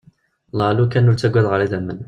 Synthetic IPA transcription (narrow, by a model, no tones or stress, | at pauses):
lɑlukænːʊɾt̪æɡʷæðˤʕalæd̪æmːən